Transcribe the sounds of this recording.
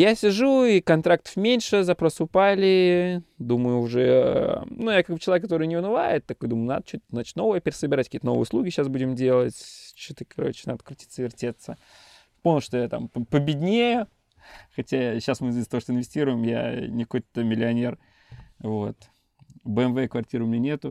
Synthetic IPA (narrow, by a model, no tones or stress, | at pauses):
jasʲɪʐuikɐnt̪ɾakt̪ə̥fmʲenʲʂɨzɐpɾo̞sɨʊpalʲɪd̪uməjʊːʐɛ | nujakaɡ̚bɨt͡ɕɪlˠɐvʲekːɐt̪o̞ɾɨjnʲɪʊnɨva̰jɪt̪ːɐkojd̪uməjʊna̰d̪ət͡ɕut̚ʲznat͡ɕɪt̪ʲno̞vəjəpʲɪɾʲɪsəbʲɪɾatʲkʲiːt̪ənovəj̰ɪʊslˠuɡʲɪɕːasbudʲɪmdʲe̞lˠətʲt͡ɕot̪ɨkʰɐɾo̰t͡ɕɪnad̪ə̥kɾətʲit̪səvʲɪrtʲet̪sə | pomʲnʲlˠʂt̪ojat̪a̰mppəbʲɪdʲnʲejʊ | xɐtʲaɕːasmɨst̪ɐvoʂt̪oɪnvʲɪsʲtʲiɾʊjɪmja̰nʲɪkojt̪ːəmʲɪlʲɪɐnʲe̞r | vo̞t̪ | bəɛnvɛkvɐrtʲiɾəʊmʲɪnʲenʲet̪ʊ